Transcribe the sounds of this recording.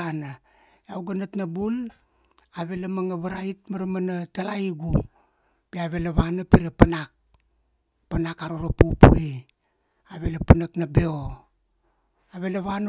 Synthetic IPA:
ana | jawɡanatnabul | aβe̞lamaŋaβaɾait̚maɾmanatalaiɡu | piaβe̞laβanapiɾapanak̚ | panakaɾoɾapupṵi | aβe̞lapanaknabe̞o | aβe̞laβan

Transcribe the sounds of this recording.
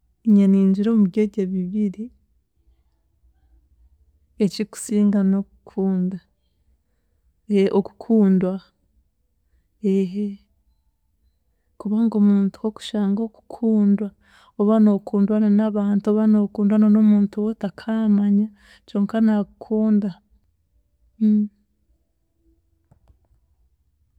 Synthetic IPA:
iɲaniːɲd͡ʒiɾoːmuβɟeɟeβiβiɾi | eciku̥siːŋɡano̞kukʰuːnda | eʔoku̥kʰuːndwa | eɦe | kuβaŋɡo̞muːntu̥hoku̥ʃaːŋɡo̞ku̥kʰuːndwa | oβano̞ːkʰuːndwananaβaːntuoβano̞kuːndwanono̞muːntuwotakʰaːmaɲa | t͡ʃoːŋkanakukʰuːnda

